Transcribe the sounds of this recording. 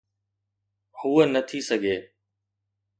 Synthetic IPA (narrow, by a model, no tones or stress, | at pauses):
huːənət̪ʰisəɡʱeː